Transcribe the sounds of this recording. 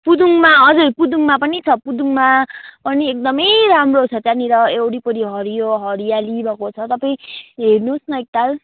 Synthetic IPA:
pud̪uŋmaʌd͡zurpud̪uŋmapʌnit͡sʰʌpud̪uŋmapʌniek̚d̪ʌmʌjɾamrot͡sʰʌt̪janiɾʌewɽipʌɾiɦʌɾijoɦʌɾijalibʱʌkot͡sʰʌt̪ʌpaĩɦernusnʌek̚t̪al

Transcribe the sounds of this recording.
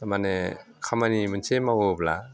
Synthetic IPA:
manekʰamanimɯnsʰemawobla

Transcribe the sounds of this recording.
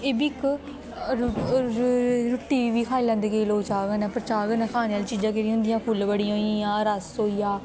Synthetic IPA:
eːbiɪk | ɾʊʈːiːʋiːʋiːkʰaːiːlɛ̃ːnd̪eːkeloːt͡ʃaːɡənɛ̃ːpɾt͡ʃaːɡənekʰaːneːaːlt͡ʃiːd͡ʒãːkeɾĩɦʊ̃nd̪ɪjãːpʰʊlbəɽijãɦoːiãːɾəsɦoːiːjãː

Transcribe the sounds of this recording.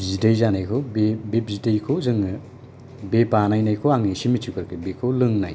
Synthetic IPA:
zidajzanajkʰobebebzidejkʰozɯŋɯ | bepanajnajkʰowaŋisimit͡ʃʰukʰɯɾkʰɯbekʰolɯŋna̰j

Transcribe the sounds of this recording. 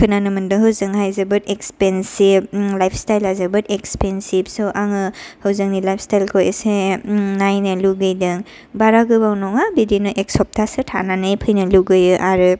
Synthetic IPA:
kʰɯnanɯmɯndɯɦɯwzɯŋɦajzɯbɯtekspensib̚lajpʰstajlajzɯbɯtekspensib̚sɔʔaŋɯhawzɯŋnilajpʰstajlkʰojesenajnɯluɡɯjdɯŋ | baɾaɡɯbawnɔŋabidinɔʔek̚sɔp̚tʰasɯtʰa̰nanɯjpʰɯjnɯluɡɯjɯʔaɾɯ

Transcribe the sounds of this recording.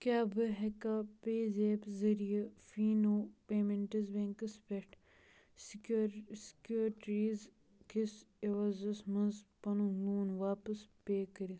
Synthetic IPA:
kʲjaːbɨɦekaːpeːzeːpzɐɾijɐfiːnoːpeːmeɳʈizbẽŋkɨspeʈʰ | skjuːɾʈɾiːz | kiseʋɐzɐsmɐnzpɐnuluːnʋaːpɐspeːkɐɾi

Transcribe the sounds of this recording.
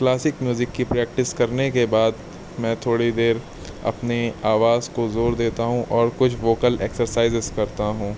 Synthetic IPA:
klaːsɪkmjuːzɪkːipɾɛːk̚ʈɪskɐɾnekebaːd̪ | mɛ̃ːt̪ʰoːɽid̪eːɾ | ɐ̰pneaːʋaːzkozoːɾd̪eːt̪aɦũʔɔːɾkʊt͡ʃʰʋoːkəleːksəɾsaːɪzɪzkɐɾt̪aɦũː

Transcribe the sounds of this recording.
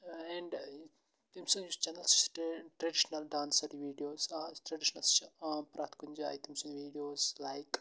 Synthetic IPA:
ɛɳɖ | t̪imsuŋt͡ʃɐnɐlsʈʈɾɐɖiʃnɐlɖãːnsɐɾiʋiːɖijoːsʈɾɐɖiʃɐnɐlst͡ʃʰːpɾʔaːt̪kuɲd͡ʒɐa̰jt̪imsuŋʋiːɖijoːzlajk

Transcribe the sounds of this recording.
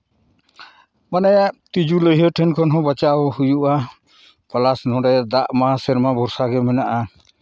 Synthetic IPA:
manajaʔt̪id͡ʒuləjɦəʈʰɛnkʰɔnɦɔ̃bat͡ʃawɔhujuʔa | palasnɔ̃ɖɛd̪aʔmasɛɾmabʱɔɾsaɡɛmɛnaʔa

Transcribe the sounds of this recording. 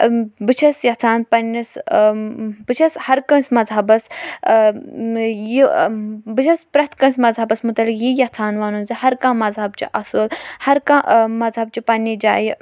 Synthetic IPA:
bɨt͡ʃʰɐsjɐt͡s̪ʰaːnpɐnis | bɨt͡ʃʰɐshɐɾkɐ̃nsmɐzɦɐbɐs | jibɨt͡ʃʰɐspɾɐt̪kɐ̃nsmɐzɦɐbɐsmut̪ɐlikjijɐht͡s̪ʰaːnʋaːnunzihɐɾkãːmɐzɦɐbt͡ʃḭʔɐsɨlhɐɾkãmɐzɦɐb̚t͡ʃipɐnːid͡ʒa̰ːji

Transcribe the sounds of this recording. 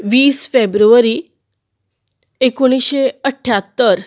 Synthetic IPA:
ʋiːsfebɾuʋəɾi | ekoɽ̃isɕeəʈʰːjat̪ːəɾ

